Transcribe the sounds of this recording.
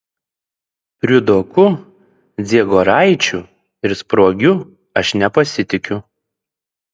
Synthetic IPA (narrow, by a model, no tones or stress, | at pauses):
pʲɾʲʊd̪okʊ | d̪zʲiɛɡoːɾɑˑɪt͡ʃʲʊ | ɪɾspɾoːɡʲʊ | ɐʃnʲɛpɐsʲɪt̪ʲɪkʲʊ